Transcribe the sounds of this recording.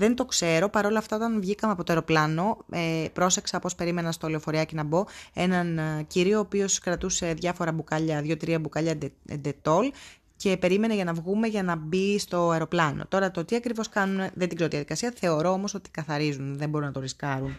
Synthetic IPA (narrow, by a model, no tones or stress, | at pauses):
ðe̞nt̪o̞kse̞ɾo̞pɐɾo̞lɐːft̪ɐo̞t̪ɐnvʝikɐmeɐpo̞t̪oeɾo̞plɐno̞epɾo̞se̞ksɐpo̞spe̞ɾime̞nɐst̪oleofo̞ɾiɐcinɐbo̞e̞nɐnciɾio̞ːpio̞skɾɐt̪useðʝɐfo̞ɾɐbukɐʎɐðʝo̞t̪ɾiɐbukɐʎɐḛnd̪e̞t̪o̞l | ce̞pe̞ɾime̞neʝɐnɐvɣume̞ʝɐnɐbist̪o̞ɐeɾo̞plɐno̰t̪o̞ɾɐt̪o̞t̪iɐkɾivo̞skɐnunðet̪iɡzeijɐðikɐsiɐθe̞o̞ɾo̞o̞mo̞so̞t̪i̥kɐθɐɾizunðembo̞ɾunɐt̪o̞ɾiskɐɾun